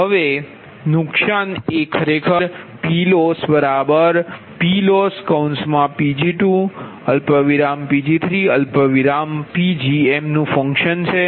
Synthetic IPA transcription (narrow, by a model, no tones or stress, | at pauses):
ɦəʋe | nʊkʃanekʰəɾekʰəɾpilosbəɾabəɾ | piloskawnsmãpid͡ʒiʈũ | əlpəʋiɾampid͡ʒit̪ʰɾiəlpəʋiɾampid͡ʒiemnũfə̃ŋkʃənt͡ʃʰe